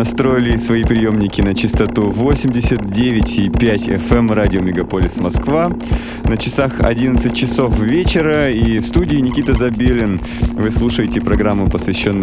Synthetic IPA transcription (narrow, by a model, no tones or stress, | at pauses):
nɐst̪ɾo̞ɪlʲɪsvɐipɾʲɪjo̞mnʲɪkʲɪnət͡ɕɪst̪ɐt̪uvo̞sʲɪmʲdʲɪsʲət̪̚dʲevʲɪtʲipʲætʲɛ̰fɛmradʲɪomʲɪɡɐpolʲɪsmɐskva | nət͡ɕɪsaxɐ̰dʲinət̪sɨt̚ʲt͡ɕɪso̞fvʲet͡ɕɪɾəifst̪udʲɪːnʲɪkʲit̪əzɐbʲelʲɪn | vɨslˠuʂəjɪtʲɪpɾɐɡɾamːʊpəsvʲɪɕːo̞nːɨ